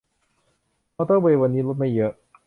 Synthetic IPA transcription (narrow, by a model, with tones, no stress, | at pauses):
a˧˥t̪ɔ˥˩ŋbeː˧wa˧nːiː˦˥lo˦˥t̪̚ma˥˩jɤ˦˥ʔ